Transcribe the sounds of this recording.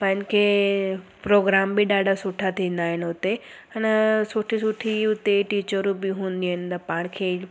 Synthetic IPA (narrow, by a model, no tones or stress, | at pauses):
pɐ̃ɦɪ̃ɲkʰe | pɾoːɡɾaːmbiɗaːɖʱasʊʈʰat̪ʰĩːnd̪aːɦɪnʊt̪e | ənsʊʈʰisʊʈʰiʊt̪eʈiːt͡ɕəɾũbiɦũːnd̪iɦənɪt̪ɐpaːɽ̃kʰe